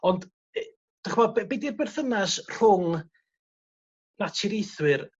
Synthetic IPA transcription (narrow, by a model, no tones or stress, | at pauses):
ɔnd | d̥əχmɔd̚bbidirbɛrθənasr̥ʊŋ | natʰɪɾijθwɨr